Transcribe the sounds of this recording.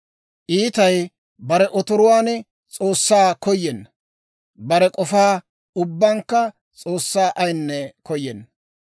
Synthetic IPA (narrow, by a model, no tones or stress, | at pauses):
ʔiːt̪ɐj | bɐɾɛʔɔt̪ɔɾʊwaːn | t͡sʼo̞ːsːaːkɔjːɛnːɐ | bɐɾɛkʼɔfaː | ʊbːaŋkːɐ | t͡sʼoːsːaːʔɐjnːɛkɔjːɛnːɐ